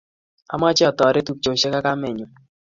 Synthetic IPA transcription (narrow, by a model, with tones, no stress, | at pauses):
a̰˨ma˦t͡ʃɛ˦ɔ˨tɔ˨ɾe˦tu˨k̚t͡ʃo˨ʃɛ˦ka˦ka˦mɛ˨ɲu˨